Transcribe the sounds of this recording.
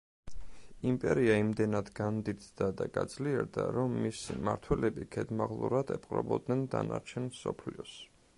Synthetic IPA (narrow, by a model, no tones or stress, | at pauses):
impʼɛɾiaimd̪ɛnad̪ɡand̪it̪d̪ad̪aɡad̪zliɛɾd̪aɾɔmːisimaɾt̪ʰwɛlɛbikʰɛd̪maʁlˠuɾad̪̥ɛpʼqʼɾɔ̰bɔd̪nɛnd̪anaɾt͡ʃʰɛnsɔpʰliɔs